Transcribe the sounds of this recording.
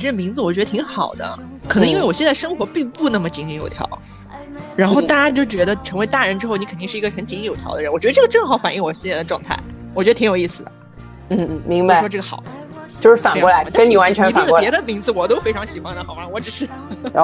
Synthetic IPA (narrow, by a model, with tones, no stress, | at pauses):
ʈ͡ʂ̩˥˩mi˧˥d͡zɹ̩˧wɔ˨˩t͡ɕɥɛ˧˥d̪ə˧t̪ʰi˧˥ŋxɑ˨˩ʊd̪ə̰˦ | k̪ʰɤ˧˥ŋi˥we˥˩ɪwɔ˨˩ɕɛ˥˧t͡sa˥˩ʂɤ˥ŋxwɔ˧˥pi˥˧ŋpu˥˧nə˥˩mə˩t͡ɕi˧˥ŋi˧˥jo˨˩ʊt̪ʰjɑ̰˧˥ʊ | ɻa˧˥nxo˥˧ʊt̪a˥˩t͡ɕa˥t͡ɕjo˥˩ʊt͡ɕɥɛ˧˥d̪ə˧ʈ͡ʂʰɤ˧˥ŋwe˧ɪt̪a˥˩ɻə˧˥nʈ͡ʂɻ̩˥xʊni˧˥kʰə˨˩t̪i˥˧ʂɻ̩˥˩˧ɡə˧xə˧˥nt͡ɕi˧˥i˥ŋjo˨˩ʊt̪ʰjɑ̰˧˥d̪ə˧ə˧˥nwɔ˨˩t͡ɕɥ̪ə˧ʈ͡ʂɤ˥˩ə˧ʈ͡ʂɤ˥˩ŋxɑ˧˥ʊfa̰˨˩nʔi˥˩ŋwɔ˨˩ɕɛ˥˧nt͡sa˥˩d̪ə˩ʈ͡ʂwɑ˥˧ŋt̪ʰa̰˥˩ɪwɔ˩ɥd̪ə˧i˧˥jo˨˩ʊi˥˩sɹ̩˩d̪ə˩˦ | n̩˥˩˥mi˧˥ŋba˥˧˩ʂwɔ˥ʈ͡ʂɤ˥˩ɡə˩xɑ̰˨˩˦ | t͡ɕjo˥˧ʂɻ̩˥˩fa˨˩˥ɔ˧˥la˧˥˧ni˨˩wa˧˥nt͡ɕʰɥɛ˧˥˧ti˥˩ə˧pjɛ˧˥d̪ə˧mi˧˥ŋd͡zɹ̩˧wɔ˨˩t̪o˥ʊfe˥ɪʈ͡ʂʰɑ˧˥ŋɕi˨˩xwa˧˥nd̪ə˩xɑ˧˥wɑ˥wɔ˧˥ʈ͡ʂɻ̩˨˩ʂɻ̩˥˩